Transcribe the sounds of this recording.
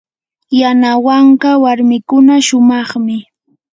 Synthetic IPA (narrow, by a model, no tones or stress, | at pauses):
janawaɴɢɑwaɾmɪkʊnaʃʊmɑχmɪ